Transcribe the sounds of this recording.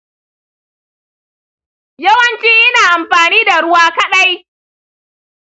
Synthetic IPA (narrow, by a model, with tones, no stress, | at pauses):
jɐ˦wɐ˨nt͡ʃiː˦ʔɪ˦naː˨ʔa˨mɸaː˨niː˦da˨ɽʊ˦waː˦kɐ˦ɗa˦j